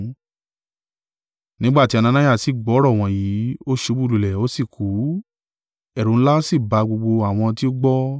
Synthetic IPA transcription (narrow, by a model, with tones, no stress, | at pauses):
nĩ˦ɡ͡ba˦˨ti˧˦a˧nã˧nã˦ja˦˨si˨ɡ͡bɔ˨˦ɾɔ˦˨w̃ɔ̃˧˨jiː˨˦o˦ʃo˧˦bu˦˧lu˨lɛ˨o˦si˦˨ku˨˦ | ɛ˦˨ɾũ˨˦ñ̩˦la˦o˦si˦˨ba˧ɡ͡bo˧ɡ͡bo˧a˨w̃ɔ̃˧ti˦o˦ɡ͡bɔ˦